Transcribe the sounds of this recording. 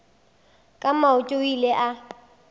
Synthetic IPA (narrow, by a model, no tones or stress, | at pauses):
kʼamaʊtʼoileʔa